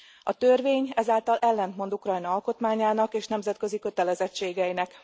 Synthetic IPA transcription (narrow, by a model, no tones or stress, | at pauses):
ɒt̪ørveːɲɛzaːlt̪ɒlʔɛlːɛnt̪mo̞nd̪ukrɒjnɒɒlko̞t̪maːɲaːnɒkeːʃnɛmzɛt̪kø̞zikø̞t̪ɛlɛzɛt͡ʃːeːɡɛinɛk